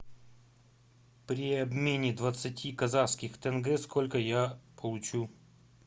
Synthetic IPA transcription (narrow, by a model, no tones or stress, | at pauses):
pɾʲɪɐbmʲenʲɪd̪vət̪sɨtʲikɐzaskʲɪxt̪ɛnɡɛskolʲkəjapʰəlˠʊt͡ɕu